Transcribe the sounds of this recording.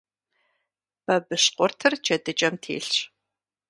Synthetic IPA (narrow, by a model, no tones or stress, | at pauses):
b̥ɐbɨɕqʷʊrtʰɨrd͡ʒʰɐdɨt͡ʃʼɐmtʰḛːɬɕ